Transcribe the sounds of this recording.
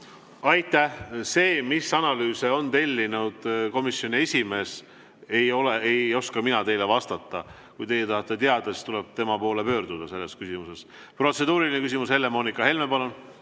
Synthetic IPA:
ɑjt̪ːˑæhse̞ːmisɑnɑlyːseo̞nt̪e̞lʲːinud̪̥ko̞misjo̞nie̞sʲime̞ːs | e̞jo̞leejo̞skɑminɑt̪e̞jle̞vɑst̪ɑt̪ːˑɑ | kujt̪e̞jːet̪ɑhɑt̪ˑːe̞t̪eɑd̪̥ɑsi̥st̪uleb̥̚t̪e̞mɑpo̞ːle̞pø̞ːɾd̪̥ud̪̥ɑse̞lːe̞skysimuse̞s | pro̞t̪se̞d̪uːɾilinekys̬imushelːe̞mo̞ːnikːɑɦe̞lmepɑlun

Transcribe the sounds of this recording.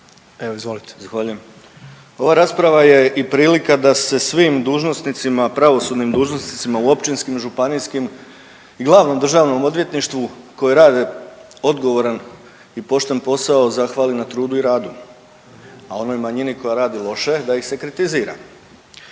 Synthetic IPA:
eʋoizʋolit̪e̥izaxʋaːʎujem | o̞ʋaɾaːspɾaʋaje̞ʔipɾiːlikad̪ase̞sʋiːmd̪uːʒno̞snit̪simapɾaʋo̞sud̪nimd̪uːʒno̞snit̪simauo̞pt͡ʃinskimʒupaniskim | iɡlˠaːʋno̞md̪r̩ʒaːʋno̞mo̞d̪ʋje̞t̪niʃt̪ʋuko̞jeɾaːd̪e | o̞d̪ɡo̞ʋo̞ɾan | ipo̞ʃt̪enpo̞sao̞zaxʋaːlinat̪ɾuːd̪uiɾaːd̪u | ao̞no̞jmaɲiniko̞jaɾaːd̪ilˠo̞ʃe̞d̪aixse̞kɾit̪iziːɾa̰

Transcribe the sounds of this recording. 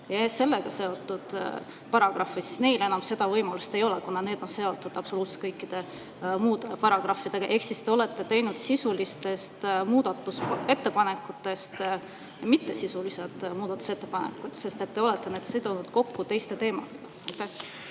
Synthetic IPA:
jɑse̞lːe̞ɡ̥ɑse̞o̞t̪ˑːud̪̥ | pɑɾɑɡ̥ɾɑfisi̥sne̞jle̞nɑmse̞d̪̥ɑvɤjmɑlust̪e̞jo̞lekunɑne̞ːd̪̥o̞nse̞o̞t̪ːˑud̪ɑpso̞luːt̪se̥t̪̚kɤjkˑːid̪̥e̞ | muːd̪̥e̞pɑɾɑɡ̥rɑfːid̪̥e̞ɡ̥ɑʔe̞ksist̪e̞o̞le̞t̪ːˑe̞t̪e̞jnud̪̥sisulist̪e̞st̪muːd̪̥ɑt̪ːˑuse̞t̪ːe̞pɑne̞kːˑut̪ːˑe̞st̪ | mit̪ːe̞sisulised̪muːd̪̥ɑt̪ːˑu̥se̞t̪ːe̞pɑnḛkːˑut̪se̞st̪e̞t̪ːe̞o̞let̪ˑːe̞ned̪sed̪̥onud̪̥ko̞kːut̪e̞jst̪e̞t̪e̞ːmɑ̰d̪̥e̞ɡ̥ɑɑjt̪ːæh

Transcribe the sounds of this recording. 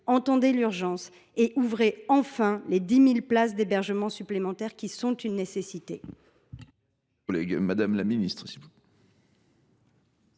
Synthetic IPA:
ɑ̃t̪ɑ̃d̪elyʁʒɑ̃s | eʔuvʁeɑ̃fɛ̃led̪imilplasd̪ebɛʁʒəmɑ̃syplemɑ̃t̪ɛʁkʲisɔ̃t̪ynːesesit̪e | lɛ̰ɡmad̪amlaminist̪χsi

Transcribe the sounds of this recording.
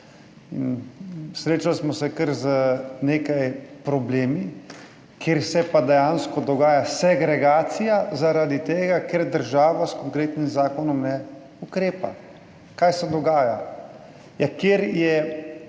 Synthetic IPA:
ḭnsɾeːt͡ʃalsmɔsɛkəɾzəneːkajpɾɔbleːmi | kʰeːɾsɛpad̪ɛjanskɔd̪ɔɡaːjasɛɡɾɛɡaːt̪sijazaɾad̪it̪eːɡakeɾd̪əɾʒaːʋaskɔŋkɾeːt̪nimzaːkɔnɔmnɛ | ukɾeːpa̰ | kaːjsɛd̪ɔɡaːja | jakjeːɾjɛ

